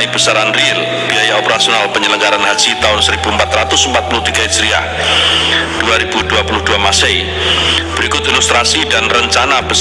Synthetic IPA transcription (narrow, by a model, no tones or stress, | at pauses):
ib̥əsaɾanril | b̥iajaopəɾasionalpəɲələŋɡaɾanɦad͡ʒit̪aʊnsəɾibuəmpat̪ɾat̪ʊsəmpat̪̚pulʊht̪iɡaist̪ɾia̰ | d̥uaɾibuduapulʊhduamasej | b̥əɾikʊt̪ilust̪ɾasidanrəɲt͡ʃanab̥ə